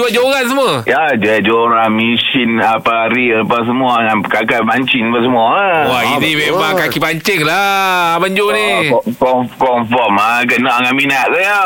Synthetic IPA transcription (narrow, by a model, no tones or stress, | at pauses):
uad͡ʒoɾans̬əməjad͡ʒad͡ʒoɾamisinapaɾipas̬əmuaŋanəkakamaɲt͡ʃinpasəmuawainimemaŋkakipaɲt͡ʃɪŋlaaband͡ʒonikɔkɔmfɔmakənaʔaŋaʔminaʔsaja